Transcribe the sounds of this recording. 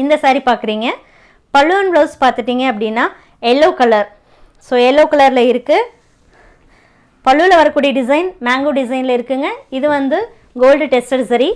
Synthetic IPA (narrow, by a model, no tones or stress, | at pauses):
ɪnd̪ɐsaːɾipaːɾkɪɾiːŋɡɐ | pɐɭːɯʋɐnbɭoːspaːɾt̪ɯʈːiːŋɡɐɐp̬ːɐɽɪnːaː | ɛlːoːkɐlɐɾ | soːɛlːoːkɐɭɐɾlɐɪɾɯkːɯ | pɐɭːɯʋlɐʋɐɾɐkːuːɽijɐɖɪzɐɪnmaːŋɡoːɖɪzɐɪnlɐɪɾɯkːɯŋɡɐɪðɯʋɐnd̪ɯ | ɡoːlɖʈɛsʈɐɾsɐɾi